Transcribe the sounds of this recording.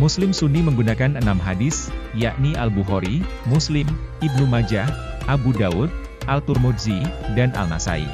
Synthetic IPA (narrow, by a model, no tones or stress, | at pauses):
muslɪmsuniməŋɡunakanənamɦadɪsjaʔniʔalbuɦoɾimuslɪmibnumad͡ʒahʔabudaʊd̪̚ | ʔalt̪urmudzidanʔa̰lma̰sa̰ḭ